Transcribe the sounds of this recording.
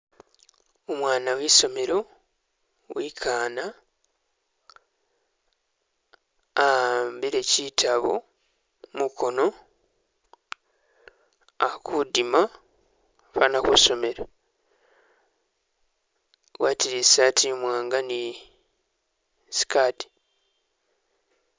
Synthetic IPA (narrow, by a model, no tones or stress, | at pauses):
omwaːnawiso̞me̞ɾo | wikʰaːna | ambiɾecitʰaβo̰ | mukʰo̞no̞ | akudima | fanakuso̞me̞ɾa | wʔaːtiɾisatimwaːŋɡani | si̥kati̥